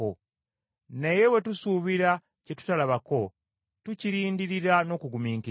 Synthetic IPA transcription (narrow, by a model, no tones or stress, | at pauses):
o | ne̞je̞we̞tusuβiɾa | ce̞tu̥talaβako̞ | tuciɾiːndiɾiɾano̞ːkuɡumiːŋki